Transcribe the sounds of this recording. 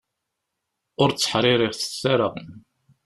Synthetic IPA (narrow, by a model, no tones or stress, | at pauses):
ʊɾt͡sːə̥ħɾˤɪɾɪʁθə̥t͡sːaɾəʁ